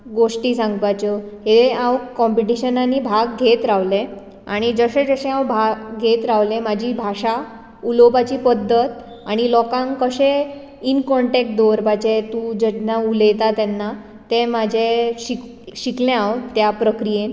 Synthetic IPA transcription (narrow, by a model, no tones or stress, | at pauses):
ɡoʂʈiːsãŋɡʋajt͡ɕəɦeãwkɔmpiʈiɕənanibʱaɡɡʱet̪ɾaʋlẽ | aɽ̃id͡zəɕẽd͡zəɕẽãwbʱaɡɡʱet̪ɾaʋlẽmad͡ʑʱiːbʱaɕa | ulopat͡ɕiːpəd̪ʱːət̪̚ | aɽ̃ilɔkãŋkəɕẽ | inkɔɳʈek̚ʈd̪oɾpat͡ɕet̪ũd͡ʑenauləjt̪at̪ɛnːa | t̪ẽmad͡ʑʱeɕik | ɕiklẽawt̪japɾəkɾijen